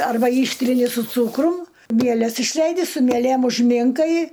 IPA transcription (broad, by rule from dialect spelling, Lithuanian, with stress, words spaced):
ˈɐrbɐ ˈiːʃʲtʲrʲɪnʲɪ sʊ ˈt͡suːkrʊm ˈmʲiɛlʲɛs ɪʃʲˈlʲɛɪdʲɪ sʊ mʲiɛˈlʲeːm ʊʒʲˈmʲɪŋkɐɪ